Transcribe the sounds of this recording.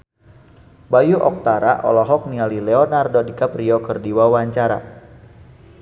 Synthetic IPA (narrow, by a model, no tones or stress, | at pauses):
bajuʔɔ̰k̚t̪aɾa̰ʔɔ̰lɔɦɔk̚nialilɛɔnardɔdikapɾiɔkərdiwawaɲt͡ʃaɾa̰